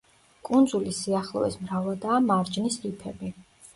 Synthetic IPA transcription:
kʼund̪zulisiaχlˠɔ̰vɛ̰smɾavad̪aːmaɾd͡ʒnisipʰɛbi

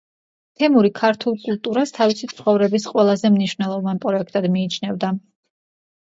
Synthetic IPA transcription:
t̪ʰɛmuɾikʰaɾt̪ʰulˠkʼulˠt̪ʼuɾast̪ʰavisit̪sʰχɔvɾɛbis̬qʼwɛlˠazɛmniʃvnɛlˠɔvanpʼɾɔɛkʰt̪ʼad̪miːt͡ʃʰnɛvd̪a

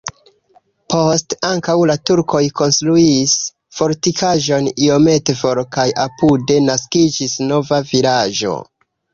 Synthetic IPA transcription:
po̞staŋkawlatuɾko̞jkʰo̞nstɾuis | fo̞ɾtikʰaʒo̞nio̞me̞tefo̞ɾkajʔapude̞naskid͡ʒisno̞vavilaʒo̞̰

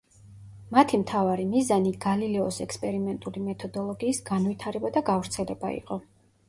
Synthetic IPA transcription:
mat̪ʰimt̪ʰavaɾimizaniɡalilɛɔsɛkspʼɛɾimɛnt̪ʼulimɛt̪ʰɔd̪ɔlˠɔɡiːsɡ̥anvit̪ʰaɾɛbad̪aɡavɾt̪sʰɛlɛba̰ḭqʼɔ

